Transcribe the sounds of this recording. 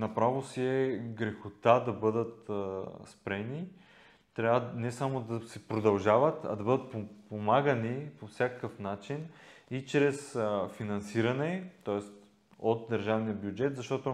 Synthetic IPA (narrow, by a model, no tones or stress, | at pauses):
nɐpɾavosiɛɡɾɛxʊt̪ad̪ɐbɤd̪ət̪spɾɛni | t̪ɾʲavənɛsamod̪ɐsɛpɾod̪ɐlˠʒavət̪ɐ̰d̪ɐbɤd̪ət̪̚popomaɡənipofsʲjakəkəfnat͡ʃinit͡ʃɾɛsfinɐnsiɾɐnɛt̪ɔɛst̪ | ot̪̚d̪ɐɾʒavnijəbjud͡ʒɛt̪zɐʃt̪ɔt̪o